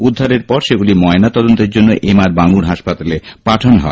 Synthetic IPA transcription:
ud̪ʱːaɾeɾpɔɾʃeɡulimɔenat̪ɔd̪ont̪eɾd͡ʑonːoʔemaɾbaŋuɾɦaʃpat̪alepaʈʰonɦɔ̰e

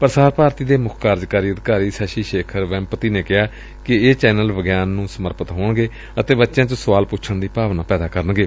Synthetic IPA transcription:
pəɾsaːɾpaːɾt̪iːd̪eːmʊkʰkaːɾd͡ʒkaːɾiːəd̪kaːɾiːsaːʃiːʃeːkʰəɾʋɛ̃ːmpət̪iːneːkɪɦaː | kɪeːt͡ʃɛːnəlʋəɡjaːnːũːsəməɾpət̪ɦoːɳɡeː | ət̪eːbətːʃãːt͡ʃõsəʋaːlpʊt͡ʃʰəɳd̪iːpaːʋnaːpɛːd̪aːkəɾəɳɡeː

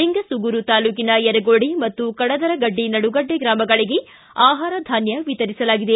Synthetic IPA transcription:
iŋɡɐsuɡuɾut̪aːluːkinɐjɐɾɐɡoːɽimɐt̪ːukɐɽɐd̪ɐɾɐɡɐɖːinɐɽuɡɐɖːeɡɾaːmɐɡɐɭiɡe̞ | aːɦaːɾɐd̪ʱaːnjɐʋit̪ɐɾisɐlaːɡid̪e

